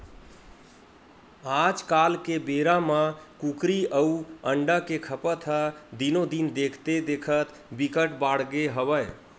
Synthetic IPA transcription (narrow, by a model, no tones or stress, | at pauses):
ad͡ʒkalkebeɾamə̃kukɾiəuəɳɖəkekʰəpət̪ʰɦəd̪inod̪ind̪ekʰt̪ed̪ekʰət̪ | bikəʈbaɽɡeɦəbəj